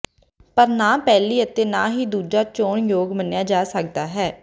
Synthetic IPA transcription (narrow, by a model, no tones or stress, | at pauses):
pəɾnaːpɛːliːət̪eːna̰ːɦiːd̪uːd͡ʒaːt͡ʃoːɳjoːɡmənjaːd͡ʒaːsək̚d̪aːɦɛː